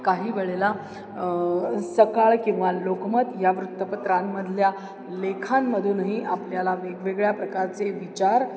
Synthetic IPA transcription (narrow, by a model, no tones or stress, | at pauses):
kaɦiːʋeɭela | səkaɭkĩw̃ʋalokmət̪jaʋɾut̪ːəpət̪ɾamːəd̪ʱlja | lekʰamːəd̪ʱuːnɦiʔapljalaʋeɡʋeɡɭjapɾəkaɾt͡seʋit͡ɕaɾ